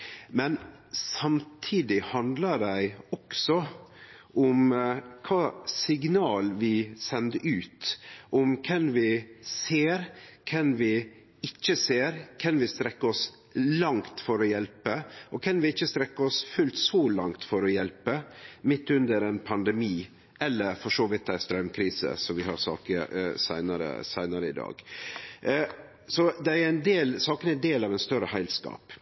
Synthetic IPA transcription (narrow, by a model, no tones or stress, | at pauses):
mɛnsɑmt̪ʰiːd̪ɪhɑnd̪ləɖæɪɔksɔ | ʔʊmkʰɑːsɪɡnɑːlʋɪsɛnd̪əʔʉːt̪ʔʊmkʰɛnʋɪseːɾkʰɛnʋɪ | ɪt͡ʃːəseːɾkʰɛnʋɪst̪ɾɛkːəɔs | lɑŋt̪fɔɾɔjɛlpəʔɔkʰɑnʋɪɪçːəst̪ɾɛkːəɔsfʉlt̪sɔlɑ̰ŋt̪fɔɾɔjɛlpəmɪt̪ːʉnd̪əɾɛnpʰɑnd̪ɛmiː | ɛlːəɾfɔʂoːʋɪt̪ːæɪst̪ɾɑʉmkʰɾiːsə̰sɔmʋɪɦɑ̰ɾsɑ̰ːkəsæɪnɑɾə̰sæɪnəɾəɪd̪ɑ̰ːɡ̥ | sɔd̪ɛæɾɛɪnd̪eːlsɑːkənɛnd̪eːlɑːʋɛnst̪œɾəhæɪlskɑ̰ːp